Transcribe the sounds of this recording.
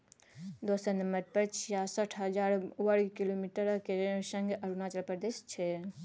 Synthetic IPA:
d̪oːsənəməʈ̚pəɾt͡ʃʰijasəʈʰɦəd͡ʒaːɾwəɽkilomiʈəɾkesə̃ŋɡɐɾunaːt͡ʃəɾpɾəɾd̪eːʃt͡ʃʰe

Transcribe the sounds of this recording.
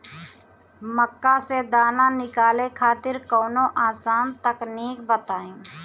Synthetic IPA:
məkːased̪aːnanɪkaːlẽkʰaːt̪ɪɾkɔːnõʔaːsaːnt̪əkniːk̚bət̪aːẽː

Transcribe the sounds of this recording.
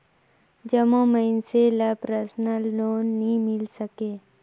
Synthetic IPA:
d͡ʒəmõməɪnselapɾəsnəlːoːnːĩmɪlsəkeː

